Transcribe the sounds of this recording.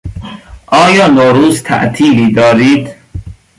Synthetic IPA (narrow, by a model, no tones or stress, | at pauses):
ʔɒːjɒːnoːɾuːzt̪ʰæ̰ʔt̪ʰiːliːd̪ɒːɾiːd̪